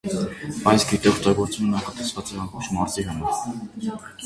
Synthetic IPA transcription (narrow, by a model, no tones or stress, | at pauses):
ɑjsɡit̪ɛɔk̚ʰt̪ɑɡɔɾt͡smumnɑχɑt̪ɛsvɑt͡sɛɑmbɔχt͡ʃʰmɑɾziɦɑmɑɾ